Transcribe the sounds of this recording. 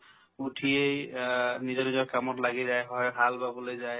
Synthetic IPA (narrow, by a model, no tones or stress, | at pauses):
utʰiejnizɔnizɔɹkamɔtlaɡizajɦɔjɦalbabɔlojzaj